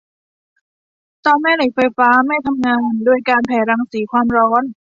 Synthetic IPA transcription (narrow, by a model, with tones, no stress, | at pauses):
t̪ɔː˧nma˥˩jla˨˩˦j̚faː˧jfaː˦˥ma˥˩jt̪ʰa˧mŋaː˧ndu˧əjkaː˧npʰɛː˨˩˦ɾaː˧ŋsiː˩˦kʰwaː˧mɾɔː˦˥n